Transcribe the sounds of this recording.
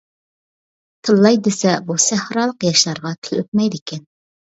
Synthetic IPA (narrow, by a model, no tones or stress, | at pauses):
t̪ʰɨlˠːɑjd̪esɛbusæhɾɑlˠəqjɑʃlˠɑɾʁɑt̪ʰɪlø̰t̪̚mɛjd̪ɪkʲʰɛn